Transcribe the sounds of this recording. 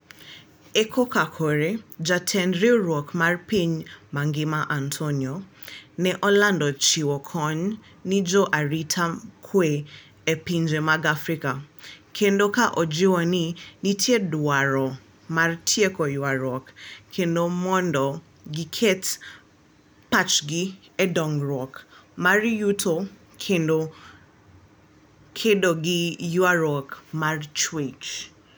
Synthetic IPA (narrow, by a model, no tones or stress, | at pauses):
ɛkʰɔkakʰoɾed͡ʒatʰɛndɾiɔɾwɔkmarpeɲmaŋɡɪmaʔantʰɔniɔ | nɛʔɔlandɔt͡ʃiwɔkʰɔɲ | nid͡ʒɔʔaɾitʰakʰwe | ɛpiɲd͡ʒemaɡafɾikakʰendokaʔɔd͡ʒɪwɔninitʰjedwaɾɔ | martʰjekɔjwaɾwɔkkʰːendomɔndɔ | ɡikʰɛt | pat͡ʃɡɪ | ɛdɔŋɾɔkmarjutʰo | kʰendo | kʰedoɡijuaɾɔkmart͡ʃwet͡ʃ